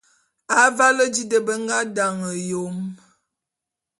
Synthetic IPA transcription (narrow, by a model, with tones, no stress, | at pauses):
a˨˦va˦lə˦d͡ʒi˦də˨bə˦ŋ˦ɡa˦da˨ŋə˨jo˨m